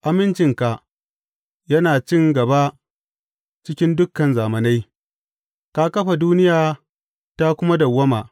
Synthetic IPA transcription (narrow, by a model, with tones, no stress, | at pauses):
ʔa˨mɪ˦nt͡ʃɪ˨ŋka˨ʔ | jɐ˦naː˨t͡ʃɪ˦˨ŋɡɐ˨ba˦ | t͡ʃɪ˦kʲɪ˦ndʊ˦kːɐ˨nzaː˨mɐ˨na˦j | ka˦kɐ˦ɸa˨duː˦nɪ˦jaː˨ | ta˦kʷʊ˦ma˦da˨wːɐ˦maː˨ʔ